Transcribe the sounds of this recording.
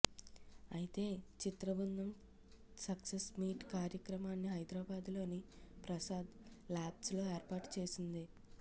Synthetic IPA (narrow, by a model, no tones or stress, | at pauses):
ɐjit̪e̞ːt͡ʃit̪ɾɐbɐnd̪ɐm | sɐksesmiːʈkaːɾjɐkɾɐmaːnːiɦɐjd̪ɾaːbaːd̪lo̞ːnipɾɐsaːd̪laːbslo̞ːeːɾpaːʈt͡ʃe̞ːsind̪i